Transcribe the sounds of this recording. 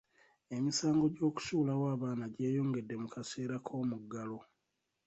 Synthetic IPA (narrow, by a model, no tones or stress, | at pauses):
e̞misaːŋɡo̞ɟo̞ːku̥sulawaːβaːnaɟe̞ːjo̞ːŋɡe̞dːe̞mukase̞ːɾakʰo̞ːmuɡːalo̞